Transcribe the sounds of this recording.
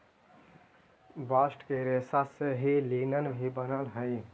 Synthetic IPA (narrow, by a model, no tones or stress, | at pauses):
baːsʈkeːɾesaseɦiliːnənbʱibənəlɦəi